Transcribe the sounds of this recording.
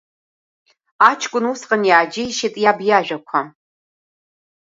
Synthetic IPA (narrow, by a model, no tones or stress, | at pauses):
aːt͡ʃʰkʷʼʊnusqʼənjaːd͡ʒɪjiʃɪtʼjaːbjaːʒᶣʷɐkʷʰɐ